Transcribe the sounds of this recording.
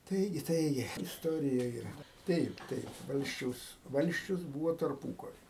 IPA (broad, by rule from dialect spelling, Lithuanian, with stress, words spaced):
ˈtɐɪɡʲɪ ˈtɐɪɡʲɪ ɪsˈtoːrʲɪjɛ iːˈrɐ ˈtɐɪp ˈtɐɪp ˈʋɐlʲsʲt͡ʃʲɛʊs ˈʋɐlʲsʲt͡ʃʲʊs ˈbuːʋoː tɐrˈpuːkɐrʲɪ